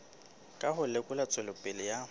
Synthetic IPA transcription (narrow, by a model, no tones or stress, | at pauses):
kʼahʊlekʼʊlat͡sʼwɛlʊpʼɪlɪja